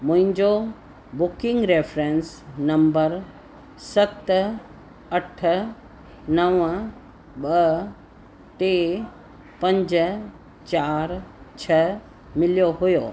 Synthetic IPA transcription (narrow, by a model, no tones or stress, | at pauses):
mʊ̃ɦɪ̃ɲd͡ʑo | bʊkɪ̃ŋɡɾeːfɾeːnsnɐ̃mbəɾ | sɐt̪ | ɐʈ̆ʰ | nɐʋ | ɓɐ | ʈe | pɐ̃ɲd͡ʑ̆ | t͡ɕaːɾt͡ɕʰɐ | mɪlijoɦʊjoː